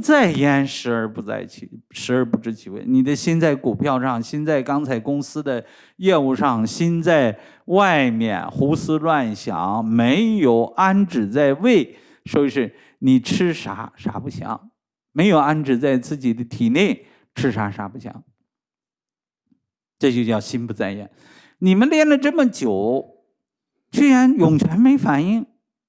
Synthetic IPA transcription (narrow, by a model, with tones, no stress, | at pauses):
t͡sa˥˩ɪjɛ˥nʂɻ̩˧˥ə˞˧pu˧˥t͡sa̰˥˧˩ɪt͡ɕʰy˥˩ʂɻ̩˧˥ə˞˧˥pu˧˥ʈ͡ʂɻ̩˧˥t͡ɕʰi˧˥wḛ˥˩ɪni˨˩d̪ə˦ɕi˥nt͡sa˥˩ɪku˨˩pʰjɑ˥˧ʊʂɑ˥˩ŋɕi˥nt͡sa˥˩ɪkɑ˥ŋt͡sʰa˧˥ɪkʊ˥ŋsɹ̩˥d̪ə˨ | jɛ˥˧u˥˧ʂɑ˥˩ŋɕi˥nt͡sa˥˧ɪ | wa˥˩ɪmjɛ̰˥˩nxu˥sɹ̩˥lwa˥˩nɕjɑ̰˧˥ŋme˧˥ɪjo˨˩ʊʔa˥nʈ͡ʂɻ̩˨˩t͡sa˥˧ɪwe˥˩ɪ | ʂɔ˥˧ʂɻ̩˥˩ | ni˨˩ʈ͡ʂʰɻ̩˥ʂa̰˧˥ʂa̰˧˥pu˥˩ɕʰjɑ̰˧˥ŋ | me˧˥ɪjo˨˩ʊa˥nʈ͡ʂɻ̩˨˩t͡sa˥˧ɪt͡sɹ̩˥˩t͡ɕi˨˩d̪ə˦t̪ʰi˨˩ne˥˩ɪ | ʈ͡ʂʰɻ̩˥ʂa̰˧˥ʂa̰˧˥pu˥˩ɕʰjɑ̰˧˥ŋ | ʈ͡ʂɤ˥˧t͡ɕjo˥˧ʊɕjɑ˥˩ʊɕi˥npu˥˧t͡sa˥˧ɪjɛ̰˥˩n | ni˨˩mə˦nljɛ˥˩nlə˨˩ʈ͡ʂə˥˩mə˩t͡ɕjo˨˩˦ʊ | t͡ɕy˥ɻa˧˥njʊ˨˩ŋt͡ɕʰɥɛ˧˥nme˧˥ɪfa˨˩ni˥˩ŋ